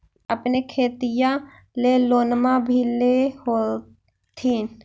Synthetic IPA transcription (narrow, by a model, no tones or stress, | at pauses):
əpnekʰeːt̪ijã | leloːnmãbʱilehoː | t̪ʰĩ